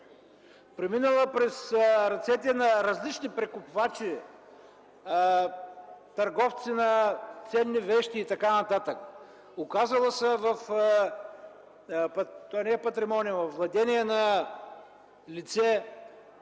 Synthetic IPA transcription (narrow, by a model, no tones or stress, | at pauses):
pɾɛminəlˠəpɾɛsɾɐt̪sɛt̪̬inɐɾɐzlit͡ʃnipɾɛkʊpvat͡ʃi | t̪ɐɾɡɔft̪sinɐt̪sɛnːivɛʃt̪iːt̪ɐkanɐt̪at̪ək | ʊkazəlˠəsəvɐf | pt̪oanɛːpɐt̪ɾimɔniəvɐfvlˠɐd̪ɛniɛnɐ | lit̪sɛ